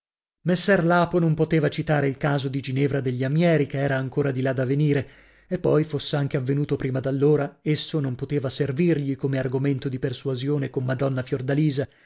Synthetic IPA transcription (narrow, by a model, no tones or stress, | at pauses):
mesːɛrlaːponompot̪eːvat͡ʃit̪aːɾeilkaːzod̪id͡ʒinɛvɾad̪eʎːiamjɛːɾikeɛːɾaːŋkoːɾad̪ilad̪aveniːɾe | epːɔjfosːeaŋk̟eavːenuːt̪opɾiːmad̪alːoːɾaesːonompot̪eːvaservirʎikomearɡoment̪od̪iperswazjoːnekomːad̪ɔnːafjord̪aliːza